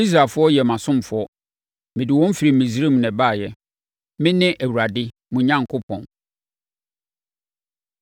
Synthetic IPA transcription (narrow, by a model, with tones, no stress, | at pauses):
i˦s̬ɾa˨fʊ˦ɔ˦jɛ˨mã˨sʊ̃˦m˨fʊ˦ɔ˦ | mɪ̃˨dɪ˨wɔ̃˦m̩˦fi˨ɾi˨mĩ˨si˦ɾe˦m˨nɛ̃˨baː˦˨jɛ˦ | mɪ̃˦nɪ̃˦ʔæ˨wu˨ɾa˨dɪ˦ | mʊ̃˨˦ɲã˦ŋkʰʊ˦pʰɔ̰̃˨n